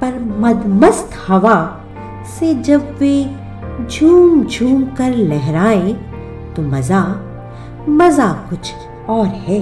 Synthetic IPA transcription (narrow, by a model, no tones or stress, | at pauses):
pɐɾmɐd̪məst̪hɐʋa | sed͡ʒɐbʋe | d͡ʒʱuːmd͡ʒʱuːmkɐɾlɛɦɾaːẽ | t̪omɐza | mɐzakʊt͡ʃʰ | ɔːɾɦɛː